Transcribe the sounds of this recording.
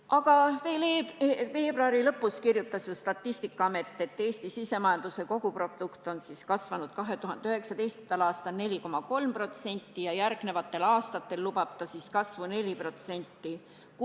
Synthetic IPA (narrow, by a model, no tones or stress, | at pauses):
ʔɑɡ̥ɑve̞ːleve̞ːb̥roɑɾilɤ̞pːˑuskirjut̪ːˑɑsjust̪ɑt̪ːist̪ikːˑɑɑme̞t̪ˑːe̞t̪ːe̞ːst̪isise̞mɑjɑnd̪̥use̞ko̞ɡ̥upro̞d̪̥ukt̪ˑo̞nsiskɑsvɑnud̪̥kɑɦe̞t̪uhɦɑnd̪eyɦe̞ksɑd̪e̞jst̪t̪ɑlɑːst̪ɑlne̞lʲiko̞mɑko̞lmpro̞t̪se̞nʲt̪ːˑijɑjærɡ̥ne̞vɑt̪ˑːe̞lɑːst̪ɑt̪ːe̞lːubɑb̥̚t̪ɑsiskɑsvune̞lʲipro̞t̪se̞nʲt̪ːi